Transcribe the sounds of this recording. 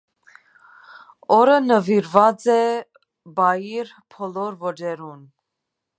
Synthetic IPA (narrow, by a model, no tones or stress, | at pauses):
ɔɾənəviɾvɑt͡sɛ | bɑjiɾ | pʰɔlɔɾvɔd͡ʒɛɾun